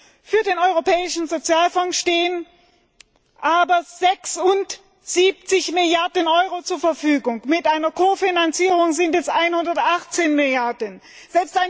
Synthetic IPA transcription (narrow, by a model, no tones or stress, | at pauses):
fyːɐdeːnɔʏʁ̞opʰɛːɪʃn̩zot͡sjaːlfɔŋʃteːən | ʔaːbɐzɛksʊnt | z̥iːp̚t͡sɪçmɪljaɐdənʔɔʏʁot͡suːɐfɛɐfyːɡʊŋmɪtʔaɪnɐkʰofinant͡siːʁ̞ʊŋzɪntjɛstʔaɪnhʊndɐtʔaχt͡seːnmɪljaɐdən | z̥ɛlpstʔaɪ